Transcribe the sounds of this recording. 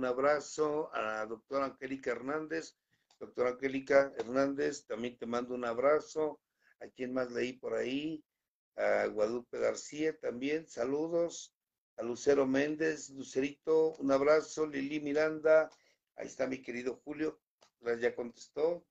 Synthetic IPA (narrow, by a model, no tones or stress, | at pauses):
naβɾasoa̰ðo̞k̚t̪oɾaŋxelikaeɾnand̪e̞s | d̪̥ok̚t̪oɾaŋxelikaeɾnãnd̪est̪ambje̞nt̪emãnd̪ounaβɾaso | akje̞nmazleipoɾai | aɣwaðupeɣaɾsiat̪ambje̞nsaluðos | aluse̞ɾomẽ̞nd̪e̞sluseɾit̪ounaβɾasolilimiɾand̪a | a̰ḛst̪amike̞ɾiðo̞xuljo̞ | lazʝako̞nt̪e̥st̪o